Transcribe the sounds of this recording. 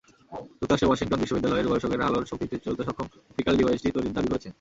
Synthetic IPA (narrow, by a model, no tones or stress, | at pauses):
ut̪aʃewɔʃiŋʈonbiʃːobid̪ːalɔeɾbɔbʃokeɾa̰loɾʃokɾit̪et͡ɕolt̪eʃɔkʰom | bʰikalɖibajesʈit̪ojɾiɾd̪abikoɾet͡ɕʰen